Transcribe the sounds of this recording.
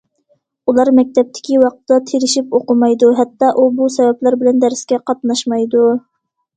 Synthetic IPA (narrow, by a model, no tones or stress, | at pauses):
ulˠɑɾmɛk̚ʲt̪ɛp̚t̪ʰɪ̥kʲiwɑq̚t̪ɨd̪ɑt̪ʰeɾɪʃipoqʊmɑjd̪uɦɛt̪ːɑʔubusɛwɛplæɾbɪlɛnd̪æɾskʲɛqʰɑt̪̚nɑʃmɑjd̪u